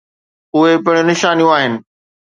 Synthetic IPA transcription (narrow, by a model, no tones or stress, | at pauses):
ʊɦepɪɽ̃ʊnɪʃaːnijũaːɦɪnɪ̆